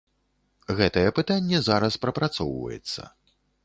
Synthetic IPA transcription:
ɣɛt̪ɐjɛpɨt̪anʲːɛzaɾɐspɾɐpɾat̪sɔwvɐ̰jɛ̰t̪sːɐ̰

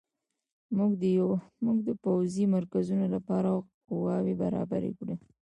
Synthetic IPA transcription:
mɡ̪muɡd̪əpawzimaɾkazunolapɑɾaqʊwɑwebaɾɑ̰ba̰ɾḛkɽe

